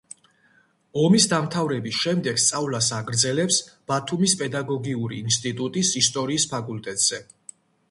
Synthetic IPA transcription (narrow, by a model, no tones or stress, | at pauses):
ɔmisd̪amt̪ʰavɾɛbisʃɛmd̪ɛɡst̪sʼavlasaɡɾd̪zɛlɛpsb̥at̪ʰumispʼɛd̪aɡɔɡiuɾḭːnst̪ʼit̪ʼut̪ʼisist̪ʼɔɾiːspʰakʼult̪ʼɛt̪ʼz̥ɛ